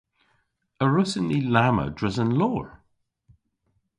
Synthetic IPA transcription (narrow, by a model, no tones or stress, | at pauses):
əɹɪsənlilamə̰dɹɛzə̃nlɔːɹ